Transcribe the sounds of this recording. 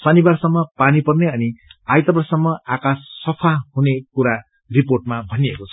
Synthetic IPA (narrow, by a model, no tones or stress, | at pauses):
sʌnibarsʌmːʌpanipʌrneʌniajt̪ʌbʌrsʌmːʌakasːʌpʰahunekuɾa | riporʈmabʱʌniekot͡sʰʌ